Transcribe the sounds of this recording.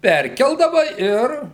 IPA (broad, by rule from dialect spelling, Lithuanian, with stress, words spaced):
ˈpʲɛrʲkʲɛlˠdɐʋɐ ˈɪr